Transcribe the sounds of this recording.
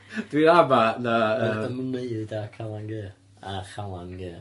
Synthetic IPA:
d̥wiɾamanaəəməneɨdakʰalˠanɡəː | aχalˠanɡɨː

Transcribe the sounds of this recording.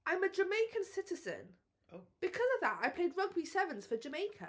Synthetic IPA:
ʔãɪ̃məd͡ʒəmeɪkʰə̃nsɪtɪz̥ɨ̰̃n | b̥ɨkʰʌzʌvðətaɪpʰl̥eɪd̚ɹʌɡ̚bisɛvə̃nz̥fəd͡ʒəmeɪkʰə

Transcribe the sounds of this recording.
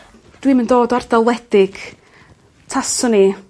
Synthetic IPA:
d̥wiməndoːdɔardalˠwɛd̥ɪɡ̥ | tʰasʊni

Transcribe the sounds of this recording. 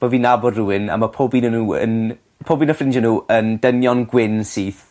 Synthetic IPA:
v̥əviːnabɔdruwɪna̰mapʰoːbiːnənuːə̰n | pʰoːbiːnafrɪnd͡ʒənuːʔəndənjɔnɡwɪnsiːθ

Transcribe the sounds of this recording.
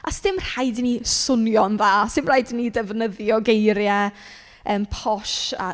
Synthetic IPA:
ʔasdɪmr̥ajdinisʊnjɔnðaːsɪmrajdinidɛvnəðjɔɡejɾjɛ | əːmpʰɔʃa̰

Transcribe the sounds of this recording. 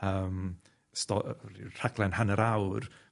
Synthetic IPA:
əːm | stɔr̥aɡlˠɛnhanəɾawr

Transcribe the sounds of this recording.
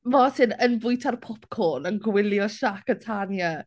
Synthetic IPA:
vɔːsɪnənvʊjtʰarpʰɔpkʰoːnənɡwɪljɔʃakətʰanja

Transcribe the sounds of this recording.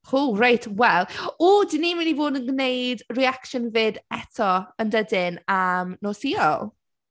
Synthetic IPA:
hurajtʰwɛlˠoːdɪniːmɪnivoːdənɡnejdriakʃənvɨdɛtʰɔəndədɪnamnoːsiɔlˠ

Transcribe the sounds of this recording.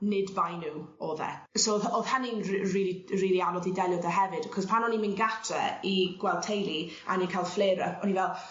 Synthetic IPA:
nɪdbajnuoːðɛ̰sowðoðhaninriːliriːlianɔðidɛlˠjɔðəɦɛvɨd̥kʰɔspʰanɔnimɪnɡatʰɛ̰iɡ̥wɛlˠtʰejlˠi | a̰ninkʰajlˠfleːɾəɔnivɛlˠ

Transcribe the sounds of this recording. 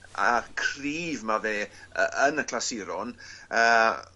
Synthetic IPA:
a̰kʰriːvmaveːə̰ʔənəkʰlasɪɾɔnəː

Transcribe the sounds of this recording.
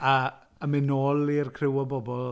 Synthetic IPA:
a | əmɪnoːlˠirkʰrɪwɔbɔbɔlˠ

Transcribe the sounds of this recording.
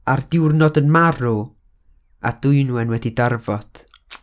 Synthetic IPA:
ardɪwrnɔdənmaru | a̰d̥uɨnuːɛnwɛdidarvɔd̥

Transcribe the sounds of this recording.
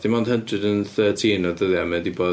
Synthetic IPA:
d̥imɔnd̥hədrɨdənθəːtʰinɔdəðjamɛdibɔ

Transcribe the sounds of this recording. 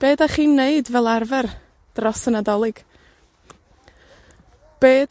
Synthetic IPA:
b̥eːdaχiːnːeɨdvɛlˠarvɛr | d̥rɔsənadɔlˠɨɡ̥ | b̥eːd

